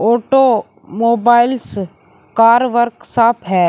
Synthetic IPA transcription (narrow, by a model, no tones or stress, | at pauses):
oːʈo | moːbaːɪls | kaːɾʋəɾksaːpʰɦɛː